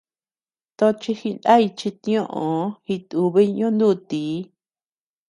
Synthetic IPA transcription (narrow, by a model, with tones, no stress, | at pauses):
t̪o˧t͡ʃi˧hi˧nda˦i˧t͡ʃi˧t̪ĩ˧˦õ˦ʔõ˨hi˧t̪u˧βi˦˧ɲõ˦nd̪u˦t̪iː˨˦